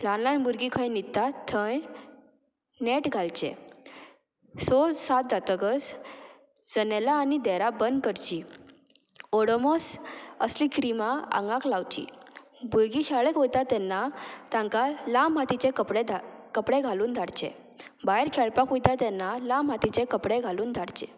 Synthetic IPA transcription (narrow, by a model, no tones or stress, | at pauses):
lanlanbuɾɡikʰə̃jnit̪ːat̪ʰːə̃j | neʈɡʱalt͡ɕɛ̰̃ | sosat̪̚d͡zat̪əɡəs | d͡zənɛlaːnid̪ɛɾabənd̪kəɾt͡ɕi | ɔɽɔmɔsə̰slikʰɾimaã̰ŋɡãklawt͡ɕḭ | bujɡiɕaɭekɦojt̪at̪ɛnːat̪ãŋkalamɦat̪it͡ɕẽkəpɽekəpɽẽɡʱaluːnd̪ʱaɽt͡ɕḛ̃ | baɛɾkʰɛɭpakujt̪at̪ɛnːalamɦat̪it͡ɕẽkəpɽẽɡʱaluːnd̪ʱaɽt͡ɕḛ̃